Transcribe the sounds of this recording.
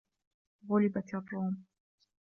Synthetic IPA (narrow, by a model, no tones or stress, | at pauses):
ɣʊlɪbat̪ɑt̪ˤːoːm